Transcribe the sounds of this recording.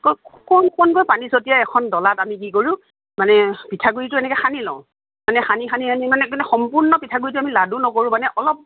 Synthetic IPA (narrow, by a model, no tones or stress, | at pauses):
kɔkɔnkɔnkojpanisotijaɛkʰɔndɔlatamik̬ikoɹũ | manɛpitʰaɡuɹitʊɛnɛkɛxanilɔ̰̃ʊ̃ | manɛxanixanianimanɛknɛxɔmpuɹnɔpitʰaɡuɹitʊamiladunɔkoɹũmanɛʔɔlɔp̚